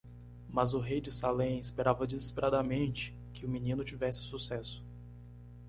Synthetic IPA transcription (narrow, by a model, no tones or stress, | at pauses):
mɐzʊɦejd͡ʒɪsalẽj̃ɪspeɾavɐd͡ʒizispeɾʔad̪ɐmẽnt͡ʃɪ̥ | kɪʊminĩnʊt͡ʃivɛsɪ̥susɛsʊ̥